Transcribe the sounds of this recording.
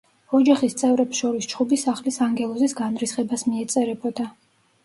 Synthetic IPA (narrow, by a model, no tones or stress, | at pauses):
ɔd͡ʒaχist̪sʼɛvɾɛpsʃɔɾist͡ʃʰχubisaχlisaŋɡɛlˠɔzisɡanɾisχɛbasmiɛt̪sʼɛɾɛbɔd̪a